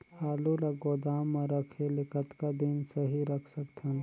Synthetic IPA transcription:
aːlulaɡoːd̪aːmːẽɾəkʰelɪkət̪kad̪insəɦiɾəkʰsəkt̪ʰən

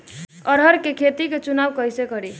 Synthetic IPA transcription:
əɾəɾkekʰet̪iket͡ʃunawkəjsekəɾi

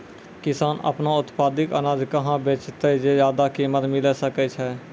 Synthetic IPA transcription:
kɪsaːnʔə̰pnãːʊt̪paːd̪ɪkə̰naːd̪kəɦãːbeːt͡ʃt̪ed͡ʒeːzjaːd̪aːkiːmət̪mɪleːsəkɛːt͡ʃʰɛː

